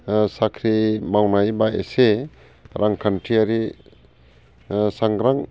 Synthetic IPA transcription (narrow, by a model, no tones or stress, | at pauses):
sakʰɾimawnajbaḛse | ɾʔaŋkʰantʰiaɾi | saŋɡɾaŋ